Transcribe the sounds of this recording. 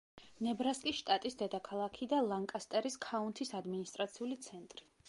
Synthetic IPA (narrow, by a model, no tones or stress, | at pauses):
nɛbɾaskʼiʃt̪ʼat̪ʼisd̪ɛd̪akʰalˠakʰid̪alˠaŋkʼast̪ʼɛɾiskʰaunt̪ʰisad̪minist̪ʼɾat̪sʰiulit̪sʰɛnt̪ʼɾi